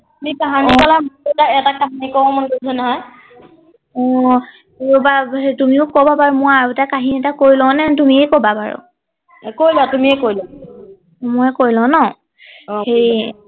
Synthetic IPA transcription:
tmikaɦanikɔlamɔɔtaɛtakaɦanikɔbɔmankuzɛnɔɦɔj | ɔ | ejubaetumiʊkobapaɹumʊaɹutakaɦiniɛtakoɹilɔ̃nɛtumiɛkobapaɹʊ̰ | kojlatumiɛkojla | mɔjkoɹjlɔ̃nɔ | hej

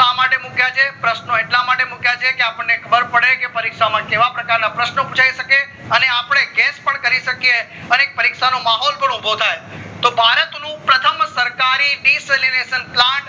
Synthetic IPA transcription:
amaʈemũkjat͡ʃʰepɾəʃnoeʈlamaʈemũkjat͡ʃʰekeapəɳːekʰəbəɾpəɽekepəɾikʃamãkeʋapɾəkaɾnãpɾəʃnəubũt͡ʃaiʃəke | əneapɽ̃eɡespəɳkəɾiʃəkije | əneːk̚pəɾikʃanomaɦɔlpəɳubʱəʋt̪ʰajt̪obʱaɾət̪nũpɾət̪ʰəmsəɾkaɾiniselineʃənplãɳʈ

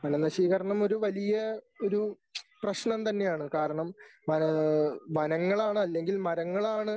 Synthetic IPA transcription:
ʋɐnɐnɐɕiːɣɐɾɐɳɐmo̞ɾuʋɐlijɐ | o̞ɾu | prɐɕnɐmt̪ɐnːe̞jaːɳɨkaːɾɐɳɐmʋɐnɐʋɐnɐŋːɐɭaːɳɨɐlːe̞ŋɡilmɐɾɐŋːɐɭaːɳɨ

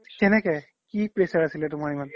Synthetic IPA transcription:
kɛnɛkɛ | kipɹesaɹɐsilɛtʊmaɹiman

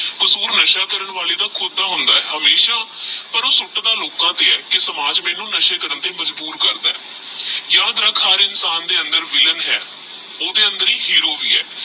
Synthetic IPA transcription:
kəsuːɾnəʃaːkəɾəɳʋaːleːd̪aːkʰʊd̪aːɦʊ̃nd̪aːɛːɦəmeːʃaːpəɾoːsʊʈd̪aːloːkãːt̪eːɛːkɪsəmaːd͡ʒmɛ̃ːnũːnəʃeːkəɾənt̪eːməd͡ʒbuːɾkəɾd̪aːɛː | jãːd̪ɾaːkʰaːɾɪnsaːnd̪eːənd̪əɾʋɪlənɦɛː | oːd̪eːənd̪əɾiːhiːɾoːʋiːɛ̰ː

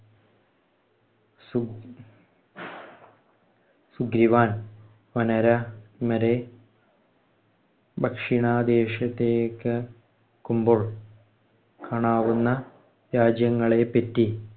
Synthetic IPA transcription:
su | suɡɾiʋaːn | ʋɐnɐɾɐmɐɾe | bʱɐkʂiɳaːd̪eːʂɐt̪ːeːkːɨ | kumboɭ | kaːɳaːʋunːɐ | ɾaːd͡ʑjɐŋːɐɭepːetːi

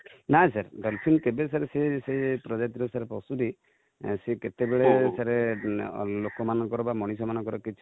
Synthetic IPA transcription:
nasaɾdɔlpʰint̪ebesaɾesesepɾɔd͡ʒat̪iɾɔsaɾepɔsuɾi | seket̪ebeɭesaɾe | lokɔmanɔ̃ŋkɔɾɔbamɔɽ̃is̬ɔmanɔŋkɔɾɔkit͡ʃʰi

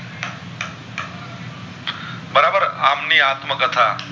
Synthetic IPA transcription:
bəɾaːbəɾaːmniaːt̪məkət̪ʰaː

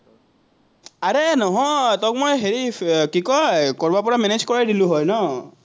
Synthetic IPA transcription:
aɹenɔɦɔjtɔk̚mojɦeɹikikɔjkɔɹbapɔɹamɛned͡ʒkɔɹajdilʊ̃ɦɔjnɔ

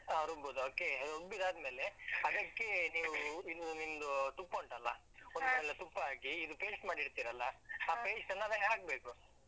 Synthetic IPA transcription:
aɾoboːd̪uoːke̞obid̪aːd̪me̞ːleɐd̪ɐkːe̞niːʋuinunimd̪ut̪upkoɳʈɐlːɐ | onddmeːlet̪upːɐaːkiːd̪upeːsmaːɽiɽt̪iːɾɐlːɐaːpeːt͡ʃsɐnːaʋɐaːk̚beːku

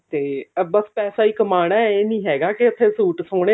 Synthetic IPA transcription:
t̪eːbəspɛːsaːiːkəmaːɽ̃aːeːnĩːɦɛːɡaːkɪət̪ʰːẽːsuːʈsoːɽeː

